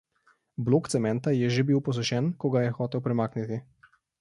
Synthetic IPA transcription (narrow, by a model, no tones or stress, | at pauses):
bloːkt̪sɛmɛnt̪ajɛʒebiwpɔs̬ɔʃɛnkɔɡajɛxɔːt̪ɛwpɾɛmaːknit̪i